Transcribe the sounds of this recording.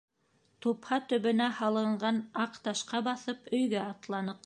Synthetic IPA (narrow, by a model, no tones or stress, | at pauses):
t̪uphɑt̪ɵ̆βɵ̆næhɑlˠɤ̆ɴɢɑnɑqt̪ɑʃqɑbɑθɤpɵ̆jɡæɑt̪lˠɑnɤq